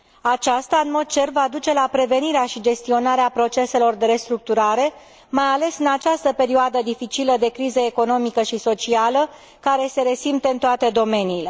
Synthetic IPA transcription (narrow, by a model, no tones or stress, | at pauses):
at͡ʃast̪aɨnmo̞d̪̚t͡ʃe̞rvad̪ut͡ʃe̞lapɾe̞ve̞niɾeaʃid͡ʒe̞st̪io̞naɾeapɾo̞t͡ʃe̞se̞lo̞rd̪e̞ɾe̞st̪ɾuk̚t̪uɾaɾe̞ | majale̞sɨnat͡ʃast̪əpe̞ɾioad̪əd̪ifit͡ʃiləd̪e̞kɾizəeko̞no̞mikəʃiso̞t͡ʃialə | kaɾe̞se̞ɾe̞simt̪eɨnt̪oat̪e̞d̪o̞me̞niːle̞